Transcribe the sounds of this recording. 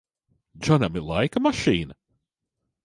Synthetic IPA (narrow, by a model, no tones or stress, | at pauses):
d͡ʒɔnɛmɨlaɪkəməʃĩːn